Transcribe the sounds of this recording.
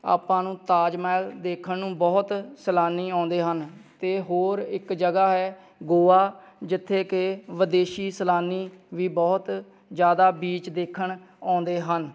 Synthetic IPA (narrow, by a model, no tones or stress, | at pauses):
a̰ːpãːnũːt̪aːd͡ʒmɛːld̪eːkʰənnũːbɔːt̪səlaːniːɔ̃ːnd̪eːɦənt̪eːɦoːɾɪkd͡ʒəɡaːɦɛː | ɡoːaː | d͡ʒɪt̪ʰːeːkeʋəd̪eːʃiːsəlaːniːʋiːbɔːt̪ | d͡ʒjaːd̪aːbiːt͡ʃd̪eːkʰːəɳ | ãːnd̪eːɦən